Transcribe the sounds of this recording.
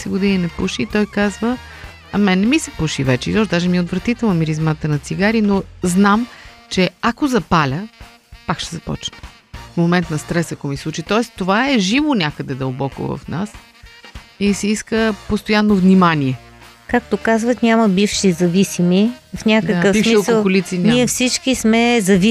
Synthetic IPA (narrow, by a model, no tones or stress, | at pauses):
sɛɡʊd̪ininɛpuʃiːt̪ɔjkazvə | ɐmɛnːɛmisɛ̥puʃivɛt͡ʃɛ̰izɔd̪aʒɛmiot̪vɾɐt̪it̪ɛlˠɐmiɾizmat̪ənɐt̪siɡaɾinoznamt͡ʃɛakozɐpalʲə | pakʃt̪ɛ̥zɐpɔ̰t͡ʃnə̥ | fmomɛnt̪nɐst̪ɾɛsɐkɔmislˠut͡ʃit̪ɔɛst̪ovaɛʒivonʲakəd̪ɛd̪əlˠbɔko̰vɐ̰fna̰s | isɛiskəpost̪ojanːovnimaniɛ | kak̚t̪okazvət̪nʲaməbifʃizɐvisimifnʲadkəkəfbsifmʃikəolˠʊlit̪sinʲniɛfsit͡ʃkismɛzɐvi